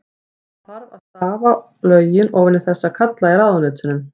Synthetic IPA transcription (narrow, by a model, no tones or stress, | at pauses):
θaɾvaðt̪aːva | lœːɥjɪnɔɣvɛnɪθɛsːakʰat̪lajɪɾaːðnʏːt̪ʏnʏm